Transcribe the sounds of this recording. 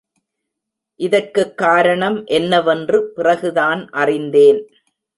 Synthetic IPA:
ʔɪðɐrkɯkːaːɾɐɳɐmʔɛnːɐʋɐndrɯpɪrɐɣɯðaːnʔɐrɪnd̪eːn

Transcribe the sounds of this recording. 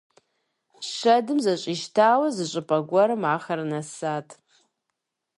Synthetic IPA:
ʃɐdɨmzɐɕʼiːʃtʰaːwɐzɨɕʼɨpʼɐɡʷɔɾɨmaːxɐrɨnɐsaːtʰ

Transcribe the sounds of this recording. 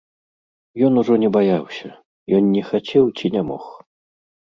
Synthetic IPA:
jɔnuʐɔnʲɛbajawsʲɐ | jɔnnʲɛxat͡sʲɛwt͡sʲinʲamɔ̰x

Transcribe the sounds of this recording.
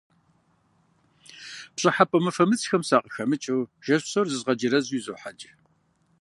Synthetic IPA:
pɕʼɐħapʼɐmɨfɐmɨt͡sʰʼxɐmsaːqʼəxɐmɨt͡ʃʼɐwʒ̥ɐɕsorzɨzʁɐd͡ʒɪɾɐzwizoːħad͡ʒʼ

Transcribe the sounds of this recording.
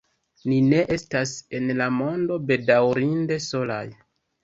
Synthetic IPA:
nine̞ʔe̞stase̞nlamo̞ndo̞be̞dawɾinde̞so̞la̰j

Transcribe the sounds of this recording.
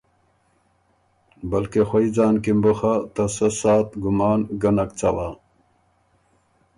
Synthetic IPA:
bɐlkexoid͡zaːnkimboxat̪ɐsɐsaːt̪ɡumaːnɡɐnɐkt͡sɐwa

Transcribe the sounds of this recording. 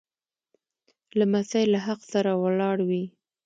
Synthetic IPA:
lamasajlaɦaqsaɾawəlɑɽwi

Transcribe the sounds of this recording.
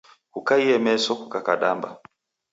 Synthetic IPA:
hukaiɛmɛsɔkukakaɗamba̰

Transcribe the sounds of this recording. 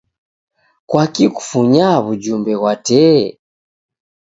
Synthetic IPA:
kwakiku̥fuɲaβud͡ʒumbɛɣwatɛ

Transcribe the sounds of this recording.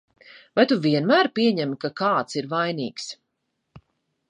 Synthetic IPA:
vajt̪uviɛnmæːɾpiɛɲɛmkakaːt̪siɾvajnḭːks

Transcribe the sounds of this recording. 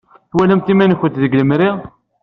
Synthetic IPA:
θwælæmt̪imænçət̪ðəɡləmɾiʁ

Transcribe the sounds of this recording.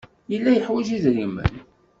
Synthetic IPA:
jəlːæjəħwæʒiðɾimːə̰n

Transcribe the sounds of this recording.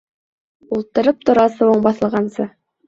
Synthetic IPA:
ulˠt̪ɤ̆ɾɤp̚t̪ŏɾɑsɤ̆wɤɴbɑθɤ̆lˠʁɑnsɤ

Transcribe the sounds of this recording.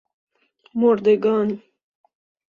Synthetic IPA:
moɾd̪eɡɑːn

